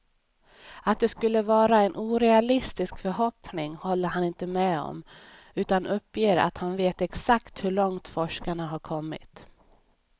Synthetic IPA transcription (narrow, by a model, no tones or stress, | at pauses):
at̪̚d̪ɛskɵlːəvɑːɾaɛnʔuːɾɛalɪst̪ɪskfœɾɦɔpnɪŋhɔlːəɾɦanɪnt̪əmɛɔ̰m | ʉ̟ːt̪anʔɵpːjeːɾa̰t̪hanveːt̪ɛksakt̪hɵɭɔŋt̪fɔʂkaɳaɦaɾkʰɔmːɪ̰t̪